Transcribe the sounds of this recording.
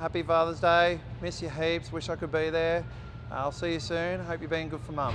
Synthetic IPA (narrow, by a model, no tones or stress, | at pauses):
hæpifɑːðəzdeɪ | mɪsɨɦibswɪʃaɪkɨd̚biðə˞ | ʔa̰ɪlˠsijɨsʉ̃nɦoʊpjɨbiɪ̃ŋɡʊd̥fə˞mʌm